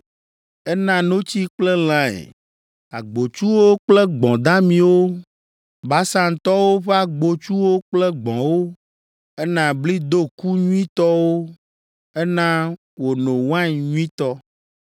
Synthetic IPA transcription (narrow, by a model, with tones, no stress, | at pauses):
ɛ˦nã˦nõ˦t͡ɕi˦k͡ple˦l̃ã˦ɛ̰˨ | a̰˨ɡ͡bo˨t͡ʃu˦wo˦k͡plɛ˦ɡ͡bɔ̃˨d̪ã˦mĩ˨wo˦ | ba˦sã˦ŋ˨t̪ɔ˦wo˦ɸe˦a˨ɡ͡bo˨t͡ʃu˦wo˦k͡plɛ˦ɡ͡bɔ̰̃˨wo˦ | ɛ˦nã˨bli˦d̪o˦˨ku˦ɲũ˦ĩ˦t̪ɔ˦wo˦ | ɛ˦nã˦ | wo˨nõ˨wã˦ɲɲũ˦ĩ˦t̪ɔ˦